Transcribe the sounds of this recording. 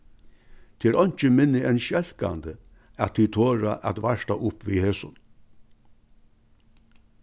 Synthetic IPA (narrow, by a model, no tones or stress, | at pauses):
t̪ʰɪɛɾɔjɲ̥t͡ʃəmɪnːɪɛnʃɛl̥ka̰nd̪ə | at̪ʰiːt̪ʰoːɾa̰ʔa̰t̪ʋaʂt̪aʔʊpviːheːsʊn